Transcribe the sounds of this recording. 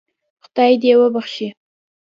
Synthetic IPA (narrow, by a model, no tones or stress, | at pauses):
xʊd̪ɑjd̪ewəbaχʃi